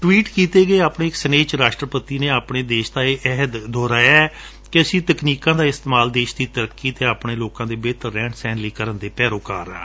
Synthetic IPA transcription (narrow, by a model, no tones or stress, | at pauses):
ʈʋiːʈkiːt̪eːɡəeːaːpɳeːɪksəneːt͡ʃɾaːʃʈɾəpət̪iːneːaːpɳeːd̪eːʃd̪aːeːʔɛɦəd̪d̪ɔːɾaːɛː | kɪəsĩːt̪əkniːkãːd̪aːɪst̪ːmaːld̪eːʃd̪iːt̪əɾəkːiːt̪eːaːpɳeːloːkãːd̪eːbeːt̪əɾːɛ̃ːɳʈsɛ̃ːnliːkəɾənd̪eːpɛːɾoːka̰ːɾɛ̰̃ː